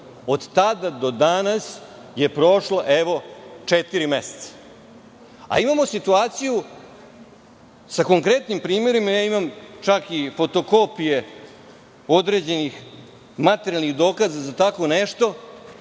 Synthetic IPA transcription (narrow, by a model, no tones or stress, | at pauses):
od̪t̪ad̪ad̪o̞d̪anas | je̞pɾo̞ʃloʔeʋo̞t͡ʂet̪iɾimese̥t̪sḁ | a̰imamo̞sit̪uaːt̪siju | sako̞ŋkɾe̞t̪nimpɾiːme̞ɾimajaːimamt͡ʃakifo̞t̪o̞ko̞pije̞ | o̞d̪ɾe̞d͡ʑe̞nix | mat̪eɾjalniɣd̪o̞ːkazazat̪ako̞neʂt̪o̞